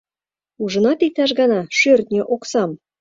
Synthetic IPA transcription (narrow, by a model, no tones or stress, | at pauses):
uʒɤ̆nɑt̪ik̚t̪æʃ̬ɡɑnɑʃørt̪nʲĕʔoksɑm